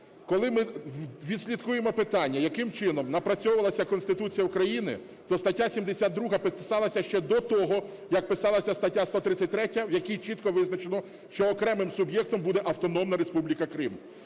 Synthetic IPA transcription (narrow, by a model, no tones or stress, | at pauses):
kɔlˠɪmɪʋʲid̪sʲlʲit̪kujemɔpɪt̪ɑnʲːɐjɐkɪmt͡ʃɪnɔmnɐpɾɐt͡sʲɔwʊʋɐlˠɐsʲɐkɔnst̪ɪt̪ut͡sʲijɐukɾɐjinɪ̰ | t̪ɔst̪ɐtʲːasʲimd̪esʲad̪̚d̪ɾuɦɐpɪɪsɑlˠɐsʲɐʃt͡ʃɛd̪ɔt̪ɔɦɔ | jɐk̚pɪsɑlˠɐsʲɐst̪ɐtʲːast̪ɔt̪ɾɪt͡sʲːɐt̚ʲt̪ɾɛtʲːɐwjɐkʲijt͡ʃit̪kɔʋɪznɐt͡ʃenɔ | ʃt͡ʃɔːkɾɛmɪmsʊbjɛk̚t̪ɔmbud̪ɛʔɐwt̪ɔn̪ɔmnɐɾespublʲikɐkɾɪm